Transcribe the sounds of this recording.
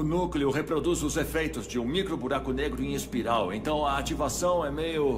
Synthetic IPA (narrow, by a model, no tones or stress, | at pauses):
ʊnukleʊɦepɾod̪uzʊzefejt̪ʊzd͡ʒɪũmikɾobuɾakʊneɡɾʊĩispiɾawẽnt̪ɐ̃w̃ɐat͡ʃivasɐ̃w̃ɛmejʊ